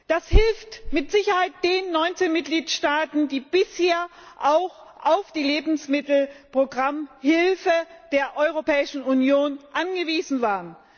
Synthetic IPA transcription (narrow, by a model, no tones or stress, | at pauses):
d̥ashɪlftmɪtz̥ɪçɐhaɪt̚d̥eːnnːɔʏnt͡seːnmɪt̚ɡ̥liːtʃtaːtn̩diːb̥ɪsheːɐʔaʊx | ʔaʊfd̥iːleːbm̩smɪtl̩pʁ̥oɡʁamhɪlfəd̥eːɐʔɔʏʁ̞opɛːɪʃn̩unjoːnʔanɡəviːzn̩vaːʁən